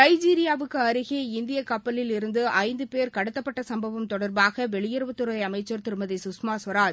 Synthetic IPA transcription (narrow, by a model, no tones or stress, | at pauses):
nɐɪd͡ʒiːɾɪjaːʋɯkːɯɐɾɯɣeɪnd̪ɪjɐkɐpːɐlɪlɪɾɯnd̪ɯʔɐɪnd̪ɯpeːɾkɐɽɯt̪ːɐpːɐʈːɐsɐmbɐʋɐmt̪ɔɽɐɾbaːɣɐʋɛɭɪjɪɾɯʋɐt̪ːɯɾɐɪɐmɐɪt͡ʃːɐɾt̪ɪɾɯmɐðisʊsmaːsʋɐɾaːd͡ʒ